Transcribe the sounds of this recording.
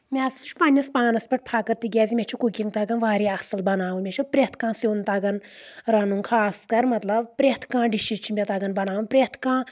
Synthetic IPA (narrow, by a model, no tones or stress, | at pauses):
mʲest͡ʃʰu̥pɐnʲɐspaːnɐspʲɐʈ̚ʰʲpʰaːkɐɾt̪iɡʲaːzimʲet͡ʃʰukukʲiŋt̪aɡɐnʋaːɾiɐsɨlbɐnaːʋumʲet͡ʃʰupɾʲet̪ʰkãːsoːnt̪aɡɐnɾɐnuŋkʰaːskɐɾmɐt̪lɐbpɾʲet̪ʰkãːɖiʃit͡ʃʰimʲet̪aɡɐnbɐnaːʋupɾʲet̪ʰkãː